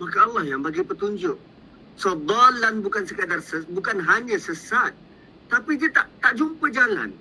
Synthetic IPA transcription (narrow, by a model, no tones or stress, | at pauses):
makaːlːɑhjaŋbaɡajpət̪uɲd͡ʒʊʔ̚ | səd̪ˤalanbukansəkədarsəbukanɦaɲãsəsat̪̚ː | apidiət̪aʔt̪aʔd͡ʒumpəd͡ʒala̰n